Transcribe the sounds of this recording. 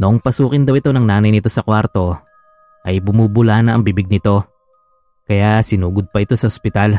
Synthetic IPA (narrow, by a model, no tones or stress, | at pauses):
noʔoŋpɐsuːkɪnd̪ɐwɪt̪o̞nɐŋnaːnɐjnɪt̪o̞sɐkwaɾt̪o̞ | ʔɐjbʊmuːbʊlaːnɐʔɐŋbibɪɡ̚nɪt̪o̞ | kɐjasɪnuːɡod̪̚pɐʔɪt̪o̞sɐhospɪt̪al